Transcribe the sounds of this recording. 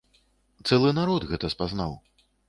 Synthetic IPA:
t̪sɛlˠɨnaɾɔd̪ɣɛt̪ɐspaznaw

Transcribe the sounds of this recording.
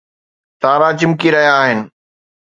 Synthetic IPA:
t̪aːɾat͡ɕɪmkiɾɐɦijaːɦɪnɪ̆

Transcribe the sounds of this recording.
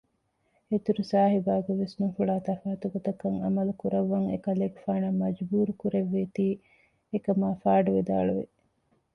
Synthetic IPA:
et̪uɾusaːɦibaːɡeʋesnuŋfuɭaːt̪ɐfaːɐt̪uɡot̪ɐkɐŋɐ̰mɐlukuɾɐʋːɐŋḛkɐleːɡufaːnɐmːɐd͡ʒbuːɾukuɾeʋːet̪iː | ekɐmaːfaːɖuʋed̪a̰ːɭuʋḛ

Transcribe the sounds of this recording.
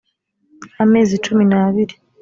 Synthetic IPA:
ame̞ːzit͡ʃuminaβiɾi

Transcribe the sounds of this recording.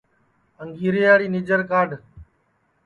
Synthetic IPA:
əŋɡʱiːɾeːjaːɽiːniːd͡ʒəɾkaːɾɖ

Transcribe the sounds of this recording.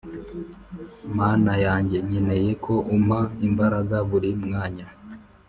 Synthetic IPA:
maːnajaːɲɟe̞ɲene̞je̞kʰo̞ʔumhaimbaɾaɡaβuɾimŋaːɲa

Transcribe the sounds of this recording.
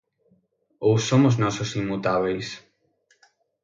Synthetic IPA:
owsːomoznɔsosimːut̪aβejs

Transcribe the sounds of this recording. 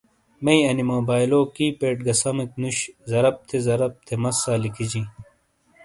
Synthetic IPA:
mɐiɐnimoːbaːjloːkiːpeːʈ̚ɡɐsɐmɐknuɕzɐɾɐp̚t̪ʰezɐɾɐp̚t̪ʰemɐsːaːlikid͡ʑi

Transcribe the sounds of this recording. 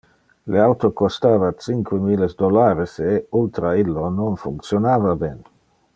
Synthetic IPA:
leawt̪okost̪aːvat͡siŋkwemilesd̪olaːɾeseult̪ɾailːononfuŋk̪sjonaːvabɛn

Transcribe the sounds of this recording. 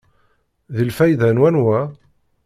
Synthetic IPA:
ðilfæjðænwænwæ

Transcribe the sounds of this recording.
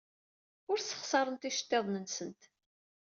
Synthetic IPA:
ʊɾsə̥χsɑɾˤənt̪iʃə̥t̪ːeðˤnənsənt̪

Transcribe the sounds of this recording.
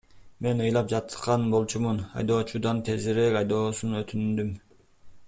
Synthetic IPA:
me̞nɯjlˠɑp̚d͡ʒɑt̪qɑnbo̞lˠt͡ʃumunɑ̰jd̪o̞ːt͡ʃud̪ɑnt̪ʰe̞ziɾekɑjd̪o̞ːsunøt̪ʰynd̪ym

